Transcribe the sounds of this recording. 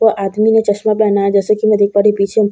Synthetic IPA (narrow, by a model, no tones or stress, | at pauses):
əʔad̪minet͡ʃəsmaplanad͡ʒəsəkiməd̪ʱik̚paɾipit͡ʃʰem